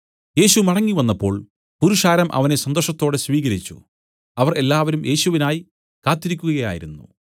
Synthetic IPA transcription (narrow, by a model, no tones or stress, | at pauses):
je̞ːɕumɐɽɐŋːiʋɐnːɐpːo̞ːɭ | puɾuʂaːɾɐmʔɐ̰ʋɐne̞sɐnd̪oʂɐt̪ːo̞ːɽesʋiːɣɐɾit͡ɕːṵ | ɐʋɐre̞lːaːʋɐɾumʔe̞ːɕuʋinaːji | kaːt̪ːiɾikʲːuɣɐɣɐja̰ːjḭɾunːṵ